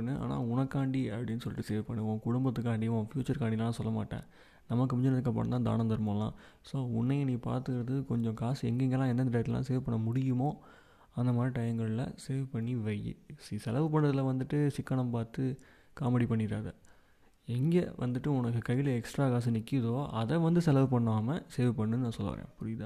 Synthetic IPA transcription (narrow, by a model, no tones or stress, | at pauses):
nːɯʔa̰ːna̰ːʊnɐkːaːɳɖiɐpɽɪnːɯs̬ɔlːɪʈːɯseːɾpɐɳːɯõːkʊɽʊmbɐt̪ːɯkːaːɳɖiʋõːfjuːt͡ʃɐɾkaːɳɖilɐlãːsɔlːɐma̰ːʈːḛ̃ː | nɐmːɐkːɯpɔɲd͡ʒɔnɐðɯkːɐp̬ːɐ̰ɳɐnãːd̪a̰ːnɐnd̪ɐɾɯmɐlã̰ː | soːʊɳːɐjɐniːpa̰ːɾt̪ɯkɪɾɐðɯkɔɲd͡ʒɔ̃kaːsɛ̰ŋɡɛŋɡɐlãːɛnd̪ɐnd̪ɐɾɐt̪ːɯlã̰ːs̬eːʋpɐɳːɐmʊɽɪjɯmoː | ɐnd̪ɐmaːɾiʈɐjɐŋɡɐɭɪlɐ̰seːʋpɐɳːiʋɐjːɯ̰sisɛlɐʋɯpɐɳːɐðɪlɐʋɐnd̪ɯʈːɯsɪkːɐɳɐmpaːɾt̪ɯ | kaːmɐɽipɐɳːɪɾaːðɐ | ɛŋɡɐʋɐ̰nd̪ɯʈːɯʊnɐkːɯkɐjːɪlɐɛksʈɾaːkaːs̬ɯnɪkːɪðoːɐðɛʋɐnd̪ɯsɛlɐʋpɐɳːaːmɐseːʋpɐɳːɯnɯnãːsɔlːʋa̰ːɾḛ̃ːpʊɾɪðã̰ː